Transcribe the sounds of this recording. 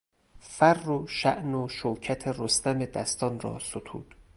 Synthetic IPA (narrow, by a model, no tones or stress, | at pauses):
færːoʃæʔnoʃoːcʰæt̪ʰerost̪æme̞d̪æst̪ɒːnrɒ̰ːsot̪ʰṵːd̪̥